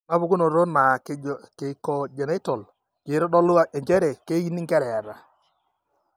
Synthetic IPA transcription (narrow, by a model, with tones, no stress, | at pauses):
ma˦bʊ˨ku˦no˨ɾo˦nma˨ke˨kɔ˨d͡ʒe˨ne˦tɔ˨l | d͡ʒe˨˦ɾɔ˦dɔ˦lʊ˦a˨ʔɛ˨ɲd͡ʒɛ˦ɾe˨ke˦ji˦ni˦ŋɡɛ˦ɾɛ˨a˨ɾa˨